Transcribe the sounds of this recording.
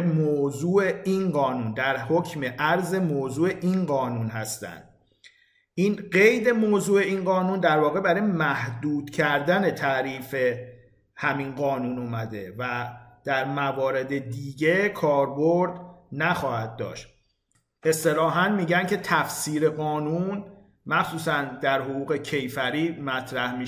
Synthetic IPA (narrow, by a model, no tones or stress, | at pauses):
moːzuːeinɢɒːnuːnd̪æɾhocʰme̞ʔæɾze̞moːzuːeʔinɢɒːnunɦæst̪æ̰nd̪̥ | iːnɢe̞jd̪e̞moːzuːe̞iːnɢɒːnuːnd̪æɾvɒːɣe̞bæɾɒːjemæhd̪uːd̪̥cʰæɾd̪æne̞t̪ʰæɾiːfe̞ | hæminɢɒːnuːnomæd̪e̞væd̪̥æɾmævɒːɾe̞d̪e̞d̪iːɟe̞kʰɒːɾbo̞ɾd̪næxɒːhæd̪̚ːɒ̰ːʃt̪ | e̞st̪e̞lɒːɦænmiːɟæncʰe̞t̪ʰæfsiːɾe̞ɣɒːnun | mæxsuːsænd̪æɾɦoɣuːɣe̞cʰe̞jfæɾiːmæt̪ʰɾæhmi